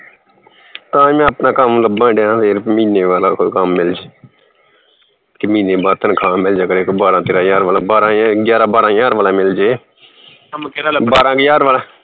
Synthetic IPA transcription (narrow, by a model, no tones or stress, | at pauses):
t̪ãːmɛ̃ːəpnãːkəmləbãːɖãːpʰeːɾmiːneːʋaːlaːkokəmːɪld͡ʒe | kɪmĩːneːbaːt̪ənkʰãːmɪld͡ʒaːkəɾeːkbaːɾãːt̪eːɾãːjaːɾʋaːlãːbaːɾãːɡjaːɾãːbaːɾãːjaːɾʋaːlãːmɪld͡ʒeː | əmkeɾaːbaːɾãːɡjaːɾʋaːlãː